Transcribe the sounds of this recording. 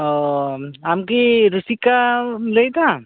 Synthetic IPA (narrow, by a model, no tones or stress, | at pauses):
ɔ | amkiɾusikaləjt̪a